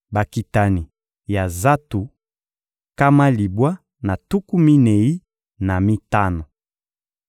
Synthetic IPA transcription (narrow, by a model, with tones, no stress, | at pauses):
ba˨ki˨ta˨ni˨ | ja˨za˦tu˨ | ka˦ma˦li˨bwa˦ | na˨tu˦ku˦mi˦ne˨i˦ | na˨mi˦ta˦no˨